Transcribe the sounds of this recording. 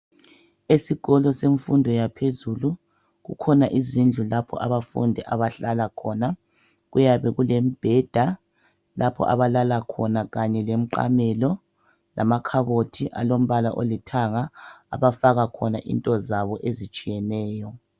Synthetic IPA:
esiɣ̥ɔlɔseɱfundʱɔjapʰezulu | ɣukʰɔnaʔizind͡ɮʱulapʰɔ̰ʔaβafṵndʱɛʔa̰βaɬalakʰɔna | ɣujaβɛɣulem̩b̥ʱɛd̥ʱa | lapʰɔ̰ʔa̰βalalakʰɔnaɣaɲɛlem̩ǃa̰mɛlɔ | lʔa̰makʰaɣotʰiʔa̰lom̩βala̰ʔo̰litʰaŋa̰ːβafaɣakʰɔnaʔḭntʼɔzaβɔʔezit͡ʃʼijɛnɛːjɔ

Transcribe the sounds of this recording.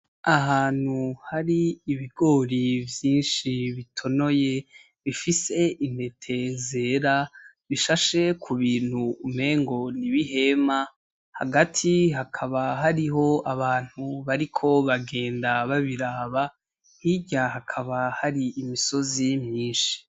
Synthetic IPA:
aɦaːn̥huhaɾiːβiɡo̞ːɾivjiːnʃiβitʰo̞no̞je̞ | βifise̞ʔin̥he̞tʰe̞ze̞ːɾa | βiʃaʃe̞kʰuβiːn̥huːme̞ːŋɡo̞niβiɦe̞ma | ha̰ɡatʰiɦakʰaβaɦaɾiɦo̞aβaːn̥huβaɾikʰo̞βaɡe̞ːndaβaβiɾaːβa | hiɟaɦakʰaβahaɾiːmiso̞zimjiːnʃi̥

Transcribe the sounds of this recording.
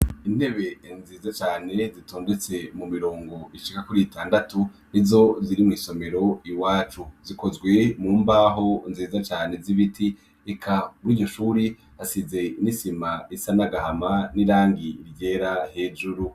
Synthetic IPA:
ine̞βe̞nziːzat͡ʃaːne̞zitʰo̞ːndet͡se̞mumiɾo̞ːŋɡo̞iʃikakuɾiitaːndatunizo̞ziɾimŋiːso̞me̞ɾo̞iwaːt͡ʃuziko̞zɡwe̞muːmbaɦo̞nziːzat͡ʃaːne̞ziβitʰi | ekʰamuɾiːɟo̞ʃuːɾi | hasize̞nisimaisanaɡahamaniɾaːŋɡiɾɟeːɾahe̞ːd͡ʒuɾu

